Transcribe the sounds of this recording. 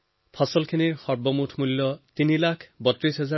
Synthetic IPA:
pʰɔsɔlkʰiniɹxɔɹbɔmutʰmulːɔt̪inilakʰbɔtɹisɦɛza

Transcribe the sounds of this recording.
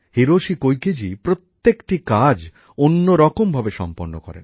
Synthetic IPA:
heɾoʃikojked͡ʑipɾot̪ːekʈikad͡ʑ | onːoɾɔkombʱabeʃɔ̰mpoɾno̰kɔ̰ɾḛ

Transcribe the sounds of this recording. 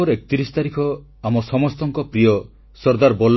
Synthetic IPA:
ɔɾekɔ̥t̪iɾisɔ̥t̪aɾikʰɔ | amɔsɔmɔst̪ɔŋkɔpɾijɔ | sɔɾd̪aɾbɔlː

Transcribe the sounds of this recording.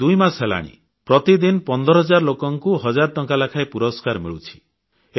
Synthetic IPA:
ujmasɦela̰ɽ̃ḭ | pɾɔt̪id̪inpɔnd̪ɔɾɔɦɔd͡ʒaɾlokɔŋkuɦɔd͡ʒaɾɔʈɔŋkalakʰaepuɾɔskaɾmiɭut͡ʃʰi̥ | e

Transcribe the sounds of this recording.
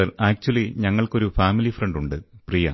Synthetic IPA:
ɐlaːk̚t͡ɕuɐliɲɐŋːɐɭko̞ɾufaːmilifrɐɳɖuɳɖɨprijɐ̰

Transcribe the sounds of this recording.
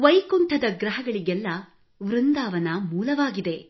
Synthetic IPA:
ʋɐjkunʈ̪ʰɐd̪ɐɡɾɐɦɐɡɐɭiɡɛlːɐ | ʋɾund̪aːʋɐnɐmuːlɐʋaːɡid̪e̞

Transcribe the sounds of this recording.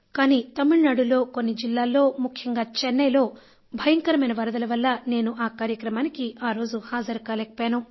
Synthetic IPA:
kaːniːt̪ɐmːuɭnaːɽulo̞ːkonːid͡ʒilːaːlːo̞ːmukʰjɐŋɡaːt͡ʃɛnːɐjlo̞ː | bʱɐjɐŋkɐɾɐmɐjnɐʋɐɾɐd̪ɐlɐʋɐlːɐne̞ːnuʔaːkaːɾjɐkɾɐmaːnikiʔaːɾo̞ːd͡ʒuhaːd͡ʒɐɾkɐlekɐpjaːnu

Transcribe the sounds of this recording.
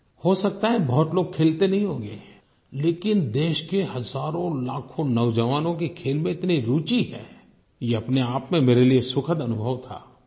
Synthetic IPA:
hosɐk̚t̪aɦɛbɔɦʊt̪loːɡ̚kʰeːlt̪enɐɦĩɦõːɡeː | leːkɪnd̪eːʃkehɐzaːɾõlaːkʰõnɐwd͡ʒəʋaːnõkekʰeːlmẽɪt̪niɾuːt͡ʃiɦɛ̰ː | jeɐpneaːpmẽmeːɾeliesʊkʰəd̪ɐnʊbʱəʋt̪ʰa̰ː

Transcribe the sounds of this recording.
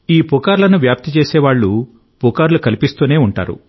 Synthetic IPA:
iːpukaːɾlɐnuʋjaːp̚t̪it͡ʃe̞ːsɛːʋaːɭːu | pukaːɾlukɐlipist̪uːne̞ːuɳʈa̰ːɾṵ

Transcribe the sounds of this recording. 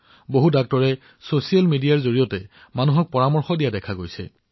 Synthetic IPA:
boɦudak̚tɔɹɛ | sosialmidijaɹzoɹijɔtɛ | manuɦɔk̚pɔɹamɔɹxɔdijadɛkʰaɡojsɛ̰

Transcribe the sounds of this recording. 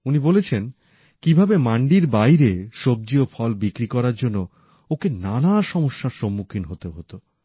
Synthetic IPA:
unibolet͡ɕʰen | kibʱabemaɳɖiɾbajɾeʃob̚d͡ʑiofʰɔlbikɾikɔɾaɾd͡ʑonːo | okenanaʃɔmoʃːaɾʃomːukʰinɦot̪eɦot̪o

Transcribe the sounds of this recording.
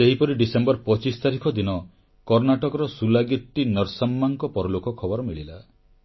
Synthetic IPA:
seɦipɔɾiɖisembɔɾpɔt͡ʃist̪aɾikʰɔd̪inɔ | kɔɾnaʈɔkɔɾɔsulaɡit̪ːinɔɾsamːaŋkɔpɔɾɔlokɔkʰɔbɔɾɔmiɭila

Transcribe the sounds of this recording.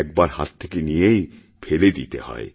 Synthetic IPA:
ɛk̚baɾha̰t̪ʰːekenijej | fʰeled̪it̪ehɔ̰e

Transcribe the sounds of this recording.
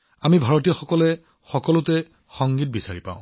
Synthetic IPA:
amibʱaɹɔtijɔxɔkɔlɛ | xɔkɔlʊtɛ | xɔŋɡit̚bisaɹipã̰ʊ̃

